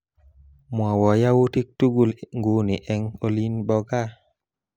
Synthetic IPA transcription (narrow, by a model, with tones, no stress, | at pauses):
mwa˨wɔ˨ja˦wu˦ti˦k̚tu˦ɡu˦lŋɡu˨˦ni˨ʔɛ˦ŋo˦li˦nbɔ˦ɡa˦